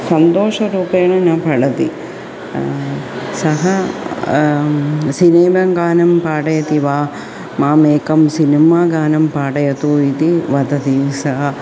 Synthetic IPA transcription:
sɐnt̪oːʂɐɾuːpeːɳɐnaːpɐɭɐt̪i | sɐɦɐ | sineːbɐŋɡaːnɐmpaːʈɐjɐt̪iʋaː | maːmeːkɐmsinimaːɡaːnɐmpaːʈɐjɐt̪uːit̪iʋɐd̪ɐt̪isɐɦɐ

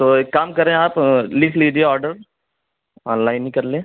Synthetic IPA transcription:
t̪oːekːaːmkɐɾẽaːplɪkʰliːd͡ʒieɔːɾɖəɾ | ɔ̃ːnlaːɪnĩkɐɾlẽː

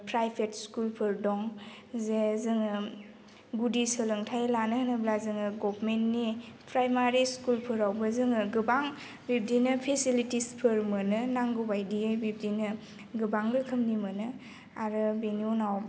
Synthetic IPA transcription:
pɾajpʰetskulpʰɯɾdɔŋ | zezɯŋɯ | ɡudisəlɯŋtʰajlanɯhnɯblazɯŋɯɡɔpmentnipɾajmaɾiskulpʰɯɾawbɯzɯŋɯɡɯbaŋ | bip̚dinɯpʰesilitispʰɯɾmɯnɯnaŋɡobajdiɯjbib̚dinɯ | ɡɯbaŋlɯkʰɯmnimɯnɯ | aɾɯbeniunaw

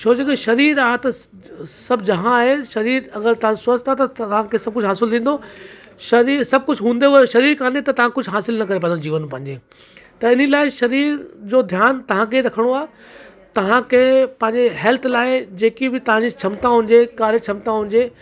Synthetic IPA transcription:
t͡ɕʰoːd͡ʑeɡeʃɐɾiːɾaːɦt̪ɐ | sɐbd͡ʑɐɦãːɦeʃɐɾiːɾɐɡəɾt̪ɐãsɐst̪ʰat̪ɐʋ̤ãkʰesɐb̚kʊd͡ʑʱɦaːsɪlt̪ʰĩːnd̪o | ʃɐɾiːɾsɐb̚kʊd͡ʑʱɦũːn̆d̪eoʃɐɾiːɾkaːnet̪ɐt̪ɐʋ̤ãkʊd͡ʑʱɦaːsɪlnɐkɐɾepɐ̃d̪d͡ʑiːʋənpɐ̃ɦɪ̃ɲd͡ʑe | t̪ɐɪnəilaːɪʃɐɾiːɾd͡ʑoːd̪ʱjaːnt̪ɐʋ̤ãkʰeɾɐkʰəɽ̃oaːɦe | t̪ɐʋ̤ãkʰeːpɐ̃ɦɪ̃ɲd͡ʑeɦɛːlt̪ʰlaːɪd͡ʑeːkibɪt̪ɐʋ̤ãɲd͡ʑit͡ɕʰɐmt̪ãɦʊ̃ɲd͡ʑekaːɾet͡ɕʰɐmt̪ãɦʊ̃ɲ̆d͡ʑeː

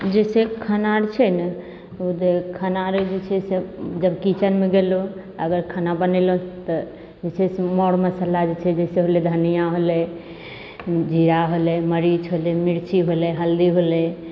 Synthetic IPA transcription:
d͡ʒesekʰənaɾt͡ʃʰɛnɛ | ud̪ekʰənaɾd͡ʒet͡ʃʰɛsed͡ʒəbkit͡ʃənmeɡelu | əɡəɾkʰənabənɛlot̪ɔ | d͡ʒet͡ʃʰɛsemɔɽməsəlad͡ʒet͡ʃʰɛd͡ʒɛseɦoled̪ʱənijaɦolɛ | d͡ʒiɾaɦolɛməɾid͡ʒɦolɛmiɾt͡ʃiɦolɛɦəld̪iɦolɛ

